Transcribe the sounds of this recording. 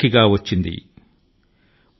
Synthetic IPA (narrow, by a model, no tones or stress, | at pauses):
iɡaːwɐt͡ʃːind̪ḭ